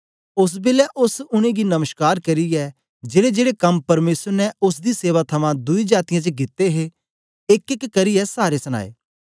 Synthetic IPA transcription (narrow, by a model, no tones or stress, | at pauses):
ʊs̬bɪlɛʔʊsʊɽ̃ẽɡinɐməʃkaːɾkɐɾiɛ | d͡ʒeːɽed͡ʒeːɽekɐmpɐɾmeːsəɾnɛʊs̬d̪iseːʋat̪ʰɐmãd̪ʊid͡ʒaːt̪ɪjãt͡ʃəɡɪt̪ːeɦe | ɪkɪkːɐɾiɛsaːɾesɐña̰ːḛː